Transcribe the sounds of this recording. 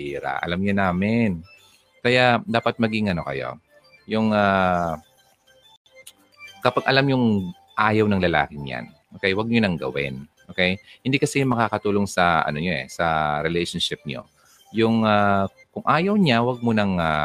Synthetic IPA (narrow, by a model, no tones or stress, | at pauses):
iːɾa̰ʔɐ̰lamɲʊnaːmɪn | kɐjad̪aːpɐt̪̚mɐɡɪŋʔɐno̞kɐ̰jo̞̰ | jʊŋa | kɐpaɡ̚ʔɐlamjʊŋ | ʔaːjɐwnɐŋlɐla̰ːkɪɲja̰nʔoːkɛjwɐɡ̚ɲonɐŋɡɐ̰wɪ̰nʔoːkɛjhɪnd̪iːkɐsɛmɐkaːkɐt̪uːloŋsɐʔɐ̰noɲoʔɛ̰sɐɾɛlɛjʃonʃɪp̚ɲo̰ | jʊŋa | kʊŋʔaːjɐwɲawɐɡ̚monɐŋa